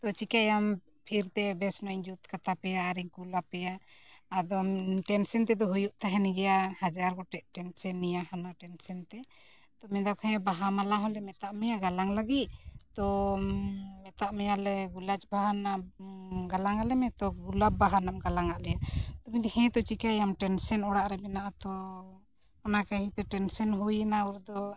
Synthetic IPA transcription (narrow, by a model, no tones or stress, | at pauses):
t̪ɔt͡ʃikajam | pʰiɾt̪ɛbɛsnɔɲd͡ʒut̪kat̪apɛjaːɾiŋkulapɛjaːd̪ɔʈɛnsɛnt̪ɛd̪ɔɦujuʔt̪aɦɛniɡɛjahad͡ʒaɾɡɔʈɛʔʈɛnsɛnːijahanaʈɛnsɛnt̪ɛ | t̪ɔmɛd̪akʰɛ̃baɦamalaɦɔlɛmɛt̪aʔmɛjaɡalaŋlaɡit̪̚t̪ɔ | mɛt̪aʔmɛjalɛɡulat͡ʃbaɦana | ɡalaŋalɛmɛ̃t̪ɔɡulab̚baɦanamɡalaŋaʔlɛjat̪ɔmid̪hɛ̃t̪ɔt͡ʃikajamʈɛnsɛnɔɽaʔɾɛbɛnaʔat̪ɔ | ɔnakaɦĩt̪ɛʈɛnsɛnɦujɛnauɾd̪ɔ